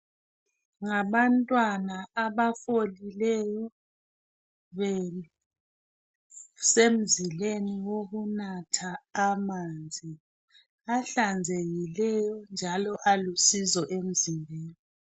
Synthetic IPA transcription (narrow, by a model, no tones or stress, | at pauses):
ŋaβantʼwanaaβafolilɛjɔ | βɛ | sem̩zileniwoɣunatʰaːmaːnd͡zʱi | aɬand͡zʱeɣilɛjɔnd͡ʒʱalɔʔalusizɔʔem̩zimbʱeːni